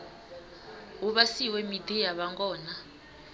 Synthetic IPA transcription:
uβasiwɛmidijaβaŋɡɔːna

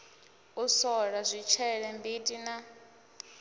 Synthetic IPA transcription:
usɔɺazʷit͡ʃʰɛɺɛmbitʼina

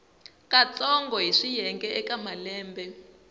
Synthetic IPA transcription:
kat͡sɔŋɡɔɦiʂijɛŋɡɛʔɛkamalɛːmbɛ

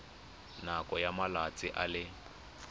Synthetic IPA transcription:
nakʼɔjamalat͡sʼɪʔalɪ

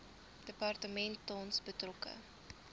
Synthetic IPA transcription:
d̥əpɐrtəmɛntːɔnsbətrɔkə̰

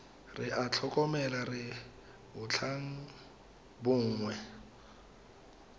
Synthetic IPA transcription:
rɪʔat͡ɬʰɔkʼɔmɛlarɪ | bʊt͡ɬʰaŋ̩ | bʊŋ̩ːŋwɛ

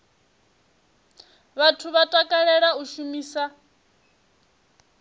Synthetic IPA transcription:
βatʰuβatʼakʼaɺɛɺauʃumiːsa

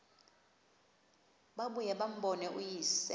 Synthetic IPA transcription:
ɓaɓujɛɓam̩ɓɔnɛʔujisɛ

